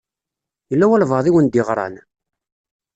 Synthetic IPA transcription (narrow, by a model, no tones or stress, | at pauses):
jəlːæwælvɑðˤiwənd̪iʁɾˤɑ̰n